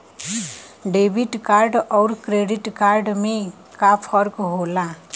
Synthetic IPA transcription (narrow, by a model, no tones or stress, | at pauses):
ɖebiʈkaɾɖʌwɾkɾeɖiʈkaɾɖme | kapʰʌɾkoɦola